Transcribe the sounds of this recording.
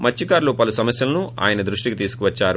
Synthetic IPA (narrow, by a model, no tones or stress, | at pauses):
mɐt͡ʃːikaːɾloːpɐlusɐmɐsjɐlɐnuʔa̰ːjɐnɐd̪ɾuʂʈikit̪̬iːsukuʋɐt͡ʃːaːɾu